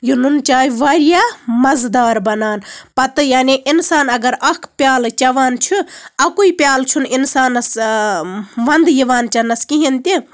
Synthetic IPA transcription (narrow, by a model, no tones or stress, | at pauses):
jununt͡ʃaːjiʋaːɾijaːmɐzd̪aːɾbɐnaːnpɐt̪ɨjaːniʔinsaːnɐɡɐɾɐkʰpjaːlt͡ʃɐʋaːnt͡ʃʰuɐkuipjaːlt͡ʃʰuninsaːnɐs | ʋɐnd̪jiʋaːnt͡ʃɐnɐskiɦint̪i